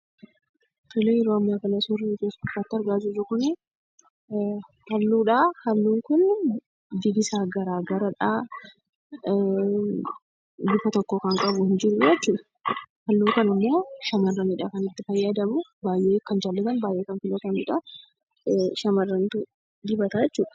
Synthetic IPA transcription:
fɪlejɛɾoːɐmːaːkɐnɐsʊritoːsʊkːaːt̪ːɪɐɾɡaːd͡ʒuːɾɐkʊnɛ | hɐlːuːᶑahɐlːuːŋkʊn | d̪ɪɡɪsaːɡɐɾaːɡɐɾɐᶑa | ɡ̪ʊfɐt̪ɔkːoːkɐŋkʼɐbʊhɪnd͡ʒɪɾʊjɛt͡ʃːuːᶑ̪ɐ̥ | hɐlːuːkɐnɪmːo̞ːʃɐmɐrːɐnɪːᶑakɐnɪt̪ːɪfɐjːad̪ɐmʊbaːjʔe̞ːkɐnd͡ʒaːlːɐt̪ɐnbaːjʔe̞ːkɐnfɪlɐt̪ɐmɪᶑa | ʃɐmɐrːɐnt̪ʊ | d̪ɪbɐt̪ad͡ʒɛt͡ʃːuːᶑɐ̥

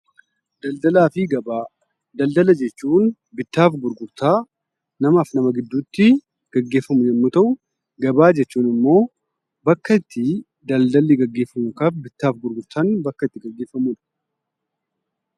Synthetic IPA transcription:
d̪ɐld̪ɐlaːfɪɡɐbaː | d̪ɐld̪ɐlɐd͡ʒɛt͡ʃːuːn | bɪt̪ːaːfɡʊɾɡʊɾt̪aː | nɐmaːfnɐmɐɡɪd̪ːuːt̪ːɪ | ɡ̥ɐɡːe̞ːfːɐmʊd͡ʒɛnːut̪ɐʔʊ | ɡɐbaːd͡ʒɛt͡ʃːuːnɪmːo̞ː | bɐkːɐɪt̪ːɪ | d̪ɐld̪ɐlːɪɡɐɡːe̞ːfːɐmʊkaːfbɪt̪ːaːfɡʊɾɡʊɾt̪anbɐkːɐɪt̪ːɪɡɐɡːe̞ːfːɐmud̪ɐʔ

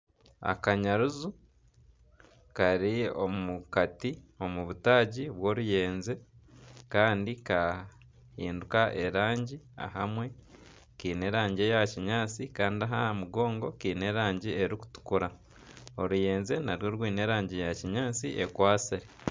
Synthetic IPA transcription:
a̰kaɲaɾuzu | kaɾiomukatio̞muβutaːɟiβwo̞ːɾuje̞ːnze̞kaːndika | hiːndukaʔe̞ɾaːɲɟia̰ɦamwe̞ | kiːne̞ɾaːɲɟejaciɲaːt͡sikaːndiaɦahamuɡo̞ːŋɡo̞kiːne̞ɾaːɲɟie̞ɾiku̥tu̥kuɾa | o̞ɾuje̞ːnze̞naɾjo̞ːɾwiːne̞ːɾaːɲɟejaciɲaːt͡siʔekwaːsiɾe

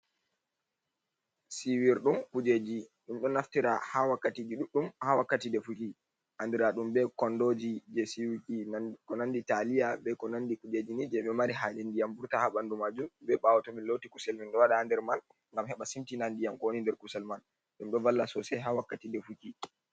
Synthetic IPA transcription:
siwiɾɗumkud͡ʒed͡ʒiɗumɗɔnaftiɾahawakːatid͡ʒiɗuɗumhawakːatidɛfuki | ʔandiɾaɗumbɛkɔndod͡ʒid͡ʒɛsiwikikɔnanditalijabɛkɔnandikud͡ʒed͡ʒinid͡ʒɛɓɛmaɾiɦad͡ʒɛndijambuɾtahaɓandumad͡ʒumbɛɓawatɔminlotikusɛlminɗɔwaɗaːndɛɾman | ŋɡamhɛɓasimtinandijamkɔwonindɛɾkusɛlman | ɗumɗɔvalːasɔsɛɦawakːatidɛfuki

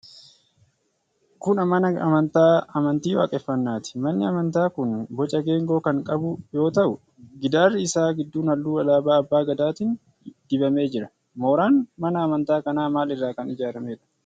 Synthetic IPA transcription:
kʊnɐmɐnɐɐ̰mɐnt̪aːɐmɐnt̪iːwa̰ːkʼɛfːɐnːaːt̪ɪ̥mɐnːɪɐmɐnt̪aːkʊnbɔt͡ʃʼɐɡe̞ːŋɡo̞ːkɐŋkʼɐbʊjo̞ːt̪ɐʔʊ | ɡɪd̪aːrːɪɪsaːɡɪd̪ːuːnɐlːuːɐlaːbaːɐbːaːɡɐd̪aːt̪ɪn | d̪̥ɪbɐme̞ːd͡ʒɪɾɐ | moːɾaːnmɐnɐːmɐnt̪aːkɐnaːmaːlɪrːaːkɐnɪd͡ʒaːɾɐmeːᶑɐ̥

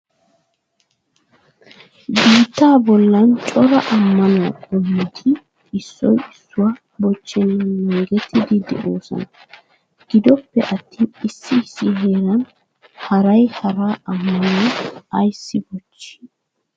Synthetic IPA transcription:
biːt̪ːaːbɔlːɐnt͡ʃʼɔɾɐʔɐmːɐnʊwɐ̰kʼɔnːɪt̪ʰɪ | ɪsːɔ̰jɪsːʊwaː | bɔt͡ʃːɛnːɐnːɔŋɡɛt̪ʰːɪd̪ɪd̪ɛ̰ʔoːsɐ̰nɐ | ɡ̥ɪd̪ɔpːɛʔɐt̪ʰːiːɪsːɪsːɪɦeːɾɐn | hɐɾɐjhɐɾaːʔɐmːɐnʔɐjsːɪbɔt͡ʃːi̥

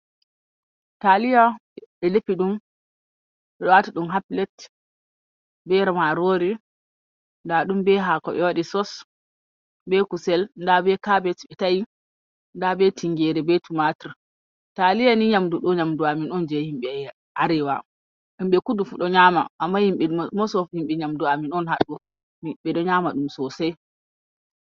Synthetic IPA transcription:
talijaɓɛlepiɗum | ɓɛɗɔwatiɗumɦaplɛt | bɛɾamaɾoɾi | ndaɗumbɛɦakɔ̰ɓɛ̰waɗisɔs | bɛkusɛlndabɛkabɛtɓɛtaji | ndabɛtiŋɡɛɾɛbɛtumatiɾ | talijaniɲamduɗɔɲamduaminɔnd͡ʒɛhimɓɛ | ʔaɾɛwa̰ | ɗumɓɛkudufuɗɔɲaːma̰ʔːmːahimɓɛmɔsɔfhimɓɛɲamduaminɔnɦaɗːɔ | ɓɛɗɔɲaːmaɗumsɔsɛj

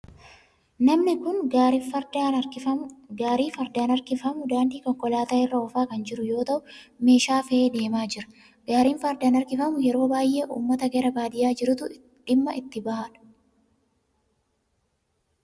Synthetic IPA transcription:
nɐmnɪkʊnɐd̪aːɪɐɡaːɾiːfɐɾd̪aːnɐɾkɪfɐmʊd̪aːnd̪iːkɔŋkɔlaːt̪aːɪrːɐɔfaːkɐnd͡ʒɪɾʊjo̞ːt̪ɐʔʊme̞ːʃaːfɛeːd̪e̞ːmaːd͡ʒɪɾɐ̥ | ɡ̥aːɾiːnfɐɾd̪aːnɐɾkɪfɐmʊjɛɾo̞ːbaːjʔeːʔṵːmːɐt̪ɐɡeɾɐbaːd̪ɪjaːd͡ʒɪɾʊt̪ʊ | ᶑɪmːɐʔɪt̪ːɪbɐhaᶑɐ̥

